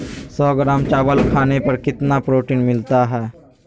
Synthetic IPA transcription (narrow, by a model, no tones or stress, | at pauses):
sɔːɡɾaːmt͡ʃaːbəlkʰaːnepɐɾkɪt̪napɾoːʈiːnmɪlt̪aɦɛː